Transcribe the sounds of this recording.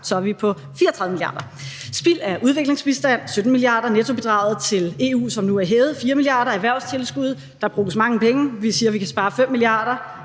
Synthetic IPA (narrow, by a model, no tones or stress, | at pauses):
sɒ̽æʋipʰɒ̽ | fiːɐt͡sʰʁɑð̩ˠmiliɑ̈ːd̥ɐ | sb̥il̰æɐʔuð̞ˠʋe̝ɡ̥le̝ŋsb̥isd̥æn̰sød̥n̩milijɑ̈ːd̥ɐnet͡sʰo̝b̥e̝d̥ʁɑ̈ʊð̩ˠt͡sʰe̝le̝ːṵːsɒ̽mnuæɐɦeːʊð̞̩ˠfiːɐmiliɑ̈ːɾɐæʋæɐ̰ʊst͡sʰe̝lsɡ̥uð̞̰ˠ | d̥ɑ̈b̥ʁṵːəsmɑ̈ŋəpʰeŋəʋisiːɐʋikʰæsb̥ɑ̈ːfem̰ːiliɑ̈ːɾ̥ɐ